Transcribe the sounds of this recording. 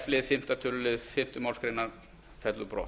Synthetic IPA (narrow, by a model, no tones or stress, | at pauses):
flɪːfɪm̥t̪at̪ʰʏllɪfɪm̥t̪ɪmɔlskɾɪnaɾ | fɛt̪lubɾɔ̰ː